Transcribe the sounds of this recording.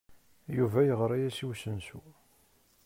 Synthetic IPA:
juvæjəʁɾˤɑjæsiwsənsu

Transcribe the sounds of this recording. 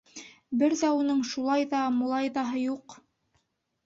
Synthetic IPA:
bɘɾðæunɤɴʃulˠɑjðɑmulˠɑjðɑɦɤjuq

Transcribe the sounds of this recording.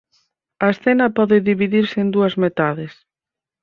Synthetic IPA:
ɐesθɛnɐpɔðɪðiβiðiɾsɪend̪uɐzmet̪aðɪs

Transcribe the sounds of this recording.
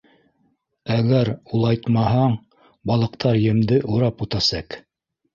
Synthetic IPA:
æɡæɾulˠɑjt̪mɑɦɑɴ | bɑlˠɤ̆qt̪ɑɾjɘ̆md̪ɘʔuɾɑput̪ɑsɑq

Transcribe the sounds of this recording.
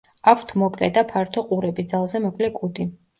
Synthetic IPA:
akft̪ʰmɔkʼlɛd̪apʰaɾt̪ʰɔqʼuɾɛbid̪zalˠzɛmɔkʼlɛkʼud̪i

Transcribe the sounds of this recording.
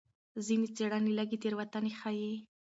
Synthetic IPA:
zinet͡seɽanilaɡit̪eɾwat̪anexaji

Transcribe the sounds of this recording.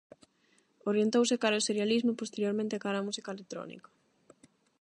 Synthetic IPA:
oɾjent̪owsekaɾaoseɾjalizmʊpost̪eɾjoɾmẽnt̪ɪkaɾamusikaelek̚t̪ɾɔ̰nḭkɐ̥

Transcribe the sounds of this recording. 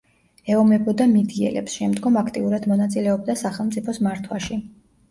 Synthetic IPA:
ɛɔmɛbɔd̪amid̪iɛ̰lɛ̰psʃɛmd̪ɡɔmakʰt̪ʼiuɾad̪mɔnat̪sʼilɛɔb̚d̪asaχɛlˠmt̪sʼipʰɔsmaɾt̪ʰwaʃi

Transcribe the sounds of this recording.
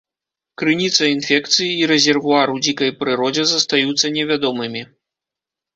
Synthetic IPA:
kɾɨnʲit̪sɐinfʲɛkt̪sɨjiːɾɛzʲɛrvuaɾɨwd͡zʲikɐjpɾɨɾɔd͡zʲɛzɐst̪ajut̪sːɐnʲɛvʲad̪ɔmɨmʲi

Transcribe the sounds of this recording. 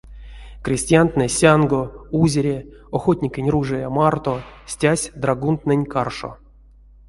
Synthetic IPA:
krʲɪsʲtʲɪjant̪nɨsʲanɡouzʲeɾʲeoxot̪ʲnʲɪkʲenʲruʐɨjamart̪osʲtʲasʲd̪raɡunt̪nɨnʲkarʂo̰

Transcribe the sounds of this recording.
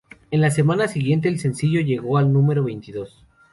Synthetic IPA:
e̞nlase̞mãnasiɣje̞nt̪̬e̞ːlse̞nsiʝo̞ʝe̞ɣo̞alnũme̞ɾo̞βe̞jnt̪iðo̞s

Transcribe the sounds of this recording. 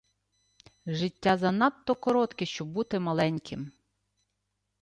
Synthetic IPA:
ʒɪtʲːazɐnɑt̪ːɔkɔɾɔt̪kɪʃt͡ʃɔbbut̪ɪmɐlˠɛnʲkʰʲɪm

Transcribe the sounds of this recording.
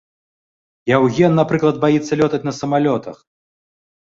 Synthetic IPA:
jawɣʲɛnːapɾɨklˠɐd̪̚bajit̪sːɐlʲɔt̪ɐt͡sʲnɐsɐmalʲɔt̪ɐx

